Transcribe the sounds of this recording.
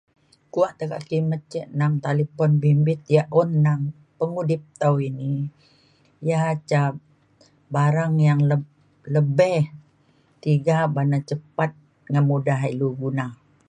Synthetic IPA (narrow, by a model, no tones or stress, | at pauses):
kuaʔt̪əka̰kimət͡ʃːɛʔnaŋt̪aləpɔnbimbɪt̪̚jaʔunːaŋ | pəŋudɪp̚t̪awini | jaɦat͡ʃa | baɾaŋjaŋlə | ləbɛh | t̪iɡabanat͡ʃəpat̪̚ | ŋənmudaɦiluɡuna